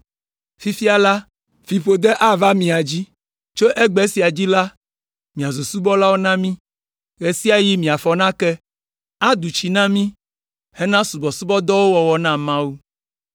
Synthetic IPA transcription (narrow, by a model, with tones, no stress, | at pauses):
fi˦fi˦a˨la˦ | fi˨ɸo˨d̪ɛ˦ʔa˦va˦mĩ˨a˨d͡ʑi˦ | t͡ʃo˦ʔɛ˦ɡ͡bɛ˨˦si˨a˨d͡ʑi˦la˦ | mĩ˨a˨zu˨su˦bɔ˦la˦wo˦nã˦mĩ˦ | ɣɛ˨si˦a˨ji˦mĩ˨a˨fɔ˨nã˦kɛ˦ | a˦d̪u˨t͡ɕi˨nã˦mĩ˦ | hɛ˦nã˦su˨bɔ˨su˦bɔ˦d̪ɔ˦wo˦wɔ˨wɔ˨nã˦mã˦wu˦